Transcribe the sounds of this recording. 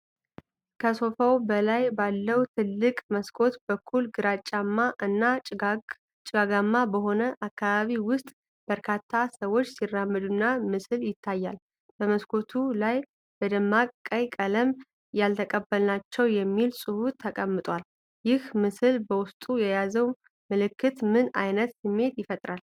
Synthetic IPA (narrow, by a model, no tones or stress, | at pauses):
kʰəso̞fəwbəlajbalːəwut̪ʰɨlːɨkʼməskʰo̞t̪bəkʰːulɡɨɾat͡ʃʼamːaɨnːa | t͡ʃʼɪɡaɡamːabəɦo̞nəʔakːaβaβiwʊst̪ʼ | b̥əɾkʰat̪ʰːasəwo̞t͡ʃːsirːamːɨd̪unːamɨsɨljɪt̪ʰːajːal | b̥əməskʰo̞t̪ʰulaj | b̥əd̪əmːakʼkʼːəjkʼələm | jalt̪ʰəkʼəbːəlnat͡ʃːɛwjɛmːilsʼɨhut̪ʰːəkʼəmːɨt̪ʼwal | jɪhmɨsɨlbəwʊst̪ʼujɛjazəw | məlɨkːɨt̪mɨna̰jnət̪sɨmːe̞t̪jɪfət̪ʼɾal